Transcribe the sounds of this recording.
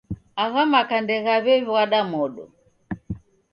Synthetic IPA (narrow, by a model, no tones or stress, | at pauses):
aɣamakandɛɣaβɛvwaɗamɔɗɔ̰